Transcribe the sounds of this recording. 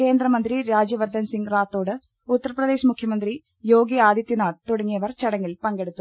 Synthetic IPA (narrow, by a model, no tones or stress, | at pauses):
ke̞ːnd̪ɾɐmɐnd̪riɾaːd͡ʑjɐʋɐrd̪ɐnsiŋɡraːt̪ːo̞ːɽɨ | ut̪ːɐrɐprɐd̪e̞ːɕɐmukʰjɐmɐnd̪ri | jo̞ːɡiaːd̪jɐt̪ːjinaːɽt̪oɽɐŋːijɐʋɐrt͡ɕɐɽɐŋːilpɐŋɡe̞ɽut̪ːu